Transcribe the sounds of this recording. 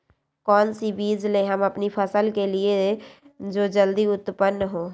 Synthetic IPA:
kɔːnsibiːd͡ʒlẽɦəmɐpnipʰəsəlkelieed͡ʒoːd͡ʒəld̪iʊt̪pənːəɦõː

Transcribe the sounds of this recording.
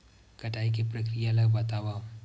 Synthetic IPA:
kɐʈaik̬epɾəkɾijaləɡbat̪aʋam

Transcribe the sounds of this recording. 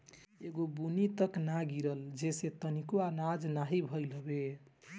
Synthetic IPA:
eɡobunit̪əknaɡiɾəld͡ʒeset̪ənikoanad͡ʒnaɦibʱəjləbe

